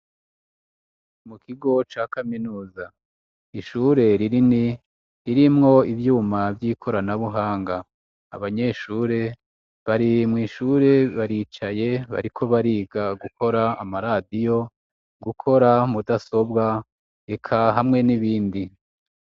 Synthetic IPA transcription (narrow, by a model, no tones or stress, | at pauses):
mukʰiɡo̞t͡ʃaːkaminuːza | iʃuːɾe̞ɾiɾini | ɾiɾimŋo̞ivjuːmavjiːkʰo̞ɾanaβuɦaːŋɡa | a̰βaɲe̞ːʃuːɾe̞ | βaɾimŋiːʃuːɾe̞βaɾit͡ʃaje̞βa̰ɾikʰo̞βaɾiːɡaɡukʰo̞ɾaːmaɾadijo̞ | ɡukʰo̞ɾamudaso̞bɡa | e̞kʰaɦamŋe̞niβiːndi